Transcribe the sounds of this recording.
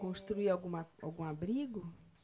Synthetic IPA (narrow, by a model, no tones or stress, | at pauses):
kõst̪ɾuiawɡũmaa̰wɡũabɾiɡʊ